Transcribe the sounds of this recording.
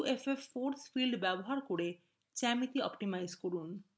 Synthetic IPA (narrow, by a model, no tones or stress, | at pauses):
efefːoɾsfilɖbɛboɦaɾkoɾe | t͡ɕɛmit̪iɔpʈimajzkoɾun